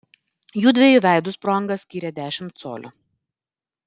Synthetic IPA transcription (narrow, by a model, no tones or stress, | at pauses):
juːd̪ʲʋʲɛjuʋʲæˑɪd̪ʊspɾɔŋɡɐsʲkʲiːɾʲɛd̪ʲæːʃʲɪmt̪so̰ːlʲʊ̰